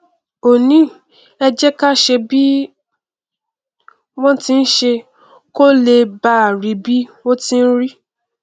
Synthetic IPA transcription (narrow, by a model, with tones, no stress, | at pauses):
o˨nĩ˨˦ | ɛ˧d͡ʒɛ˦ka˦˨ʃe˧bi˦ | w̃ɔ̃˦ti˧n̩˦ʃe˧ | ko˦le˧ba˦˨ɾi˨bi˦wo˦tĩ˦n̩˦ɾi˦